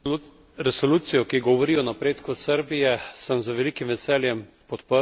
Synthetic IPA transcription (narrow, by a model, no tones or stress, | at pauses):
ɾɛsoluːt̪sijɔkiɡɔʋɔɾiːɔnapɾeːt̪kusəɾbijɛsəmzəʋɛliːkimʋɛsɛːljɛm | pɔt̪pə